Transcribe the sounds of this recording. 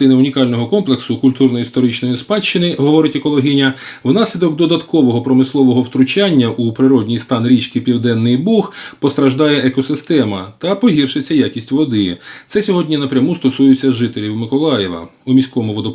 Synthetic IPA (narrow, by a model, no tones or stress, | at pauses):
ɪnɪʊnʲikɑlʲnɔɦɔkɔmplˠeksʊkʊlʲt̪urnɔjiist̪ɔɾɪt͡ʃnɔjispɑt͡ʃt͡ʃɪnɪɦɔʋɔɾɪtʲekɔlˠɔɦʲinʲɐwn̪ɑsʲlʲid̪ɔɡd̪ɔd̪ɐt̪kɔʋɔɦɔpɾɔmɪslˠɔʋɔɦɔwt̪ɾʊt͡ʃɑnʲːɐʔupɾɪɾɔdʲnʲijst̪ɑnɾʲit͡ʃkɪpʲiwd̪ɛnːɪjbuxpɔst̪ɾɐʒd̪ɑjɛʔɛkɔsɪst̪ɛmɐt̪ɐpɔɦirʃɪt͡sʲːɐjɑkʲisʲtʲʋɔd̪ɪt̪sɛsʲɔɦɔdʲnʲinɐpɾʲɐmust̪ɔsujʊt͡sʲːɐʒɪt̪elʲiwmɪkɔlˠɑjɛʋɐ̰umʲisʲkɔmʊʋɔd̪ɔ